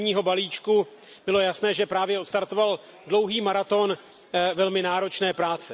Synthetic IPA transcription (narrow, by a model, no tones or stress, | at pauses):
ɲiːɦo̞baliːt͡ʃku | b̥ɪlo̞jasnɛːʒɛpɾaːvjɛʔot̪st̪aɾt̪o̞val | dlo̞wɦiːmaɾat̪o̞n | vɛlmɪnaːɾo̞t͡ʃnɛːpɾaːt͡sɛ